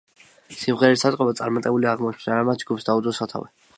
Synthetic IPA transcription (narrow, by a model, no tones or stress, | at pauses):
simʁɛɾɛisat̪ʼqʼɔbat̪sʼaɾmat̪ʼɛbuliaʁmɔʃʰmd̪aɾamat̪̚ʰd͡ʒɡupsd̪aud̪ɔsat̪ʰa̰vɛ